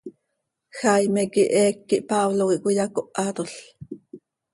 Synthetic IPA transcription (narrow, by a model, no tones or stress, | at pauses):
xajmɛkiʔɛːkːiʔpaβlokiʔkʷijakoʔɑt̪oɬ